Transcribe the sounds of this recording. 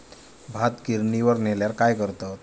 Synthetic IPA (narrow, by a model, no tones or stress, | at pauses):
bʱat̪kiɾniʋəɾneljaɾkajkəɾt̪at̪